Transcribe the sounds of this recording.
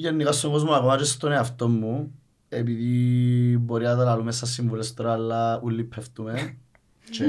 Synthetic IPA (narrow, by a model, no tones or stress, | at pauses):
ɟenːiɣɐst̪oŋɡo̞zmuɐɣomɐt͡ʃest̪oneɐft̪omːu | epiði | boɾinɐt̪ɐlɐlumest̪ːɐsːiɱvulest̪oɾɐɐlːɐulːipʰːeft̪ume